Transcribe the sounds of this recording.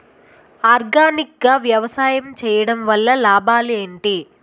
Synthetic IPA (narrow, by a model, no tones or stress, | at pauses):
aːɾɡaːnik̚ɡaːʋjɐʋɐsaːjɐmt͡ʃɛːjɐɽɐmʋɐlːɐlaːbʱaːlieːɳʈi